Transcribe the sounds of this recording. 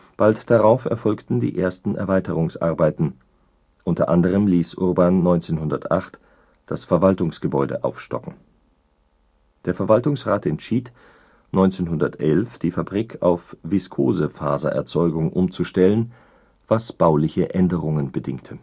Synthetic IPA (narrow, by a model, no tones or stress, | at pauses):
b̥altd̥aʁaʊfɛ̰ɐfɔlktn̩dḭːʔeːɐstn̩ɛ̰ɐvaɪtəʁʊŋsʔa̰ɐbaɪtn̩ | ʔʊntɐʔandəʁ̞əmliːsʔʊʁbaːnːɔʏnt͡seːnhʊndɐtʔa̰χt | d̥asfɛɐvaltʊŋsɡ̥əbɔʏdə̰ʔa̰ʊfʃtɔ̰kŋ̩ | d̥eːɐfɛɐvaltʊŋsʁaːtɛntʃiːt | nɔʏnt͡seːnɦʊndɐtʔɛlfd̥iːfabʁikʰa̰ʊfv̥ɪskʰo̰ːzəfa̰ːzɐ̰ʔɛ̰ɐt͡sɔʏɡʊŋʔʊmt͡suʃtɛlən | vasb̥aʊlɪçəʔɛndəʁʊŋənbədɪŋktʰə